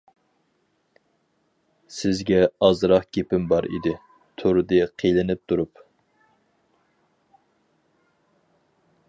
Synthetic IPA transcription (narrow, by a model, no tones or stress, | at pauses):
sɪzɡʲɛɑzɾɑχɡʲepɪmbɑɾḭd̪ɪ | t̪ʰoɾd̪ɨqʰelɪnɪp̚t̪ʰuɾup